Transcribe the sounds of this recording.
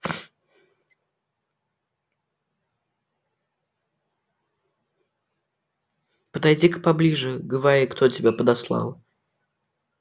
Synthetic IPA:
pəd̪ɐjdʲikpɐblʲiʐɨɡəvaɾikt̪ʰotʲɪbʲapəd̪ɐslˠa̰lˠ

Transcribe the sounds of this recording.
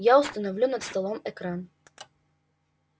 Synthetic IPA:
jaʊst̪ɐnɐvlʲunɐt̪st̪ɐlˠɔmɛkɾan

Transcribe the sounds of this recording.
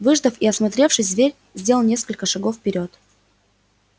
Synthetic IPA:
vɨʐd̪əfiɐsmɐt̪ɾʲe̞fʂɨsʲd̪vʲeɾʲ | zʲdʲeləlˠnʲeskəlʲkəʂɐɡofːpʲɪɾʲo̞t̪

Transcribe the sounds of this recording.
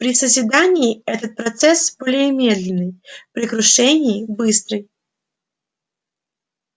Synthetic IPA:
pɾʲɪsəzʲvʲɪd̪anʲɪːɛt̪ət̪̚pɾɐt̪sɛsbolʲɪɪmʲed̪lʲɪnːɨjpɾʲɪkɾʊʂɛnʲɪːbɨst̪ɾɨj

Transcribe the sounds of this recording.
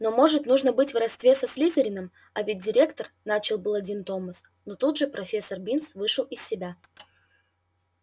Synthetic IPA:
no̞mo̞ʐɨt̪nuʐnəbɨtʲvrɐst̪vʲe̞sɐsʲlʲizəɾʲɪnɨm | ɐvʲɪt̚ʲdʲɪɾʲe̞kt̪ərnat͡ɕɪlˠbɨlˠɐdʲint̪o̞məs | not̪ud̪ʐɨpɾɐfʲe̞sːərbʲinsvɨʂɨlˠɪsːʲɪbʲa

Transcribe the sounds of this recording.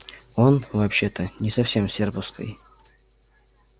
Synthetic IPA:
o̞nvɐpɕːe̞t̪ənʲɪsɐfsʲe̞msʲerpʊfskə̰j

